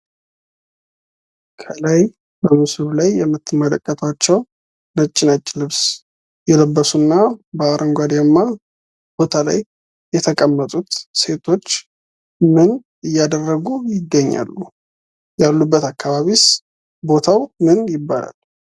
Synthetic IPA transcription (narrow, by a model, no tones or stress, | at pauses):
kʰəlaj | bəmɨsɾulajːɛmːɨt̪ːmələkʼːət̪ʰat͡ʃːɛw | nət͡ʃʼːɪnat͡ʃʼːɪlɨβs | jɛləbːəsunːabəaɾʔəŋɡʷad̪jamːa | b̥o̞t̪ʰala̰jː | ɛt̪ʰəkʼəmːət̪ʼut̪se̞t̪ʰo̞t͡ʃː | mɨn | ɨjːad̪ərːəɡujɪɡːəɲːa̰lːu | jalːubːət̪akːaβaβis | bo̞t̪ʰawmɨnjɪbːala̰l